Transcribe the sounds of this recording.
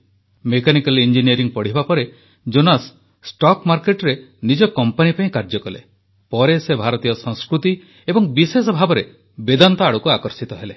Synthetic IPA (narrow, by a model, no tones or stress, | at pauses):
mekanikalind͡ʒiniɔɾiŋpɔɽ̤ibapɔɾe | d͡ʒonas | sʈɔkmaɾkeʈɔɾenid͡ʒɔkɔmpanipaĩkaɾd͡ʒɔkɔlḛ | pɔɾesebʱaɾɔt̪ijɔsɔŋskɾut̪i | ebɔŋbisesɔbʱabɔɾe | bed̪ant̪ɔaɽukuakɔɾsit̪ɔɦele